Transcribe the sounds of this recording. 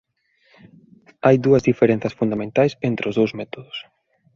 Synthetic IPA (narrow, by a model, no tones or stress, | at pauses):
ajd̪uɐzðifeɾẽn̟θɐsfund̪amẽnt̪ajsent̪ɾɪʊzðowzmɛt̪oðʊs